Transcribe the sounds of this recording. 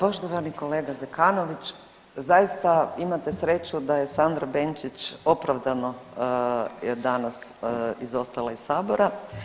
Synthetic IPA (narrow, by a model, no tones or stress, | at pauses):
po̞ʃt̪oʋaniko̞leːɡazekano̞ʋit͡ʃ | zajist̪aimat̪e̞sɾe̞t͡ʃud̪aje̞sand̪ɾabent͡ʃit͡ʃo̞pɾaʋd̪ano̞ | d̪anasizo̞st̪alaissaːboɾa